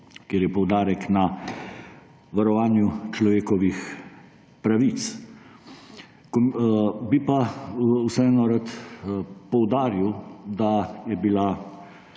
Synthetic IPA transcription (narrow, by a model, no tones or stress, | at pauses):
kjeːɾjɛpɔwd̪aːɾɛkna | ʋaɾɔʋaːnjut͡ʃlɔʋeːkɔʋix | pɾaʋit̪s | kɔbipausɛɛːnɔɾat̪ | pɔwd̪aːɾiwd̪ajɛbila